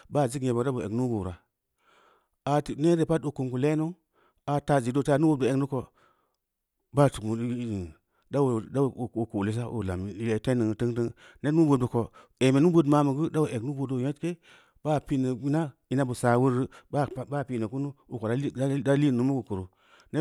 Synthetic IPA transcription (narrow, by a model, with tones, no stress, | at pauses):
ba˦˨zi˦ke˨bo˨da˦bu˨ḛ˨ɡnu˦bo˨ɾa˨ | a˨tne˦ɾe˨pa˦t̚ːo˨ku˨mku˨le˦no˦ | a˨ta˨d͡ʒi˨do˦ta˦˨˦nu˦bo˦˨do˨e˨knu˦ko˧ | ba˦˨tu˨kmu˨˦˨ | da˦wda˦˨o˨ko˨le˦s̬a˦ʔo̰˨la˨m˨e˨te˦nə˨ŋ˨tə˦ŋtə˦ŋ | ne˦nu˦bo˨də˨ko˨ | e˨me˨nu˦bo˦dma˨˦mə˨ɡɨ˦da˦o˨ʔe˨ɡnu˦bo˨do˦˨je˦tke˦ | ba˦pi˦nə˨i˦na˦i˦na˦bu˨sa˨wu˦ɾɨ˦ba˦ba˦˨pi˦nə˨ku˦nu˦u˨ko˨da˦da˦li˦˨nu˨˦mu˦ku˨kə˨ɾo˨ | ne˦